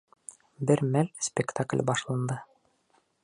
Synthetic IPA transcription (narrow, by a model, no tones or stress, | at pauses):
bɘɾmælspʲɪkt̪aklʲbɑʃlˠɑnd̪ɤ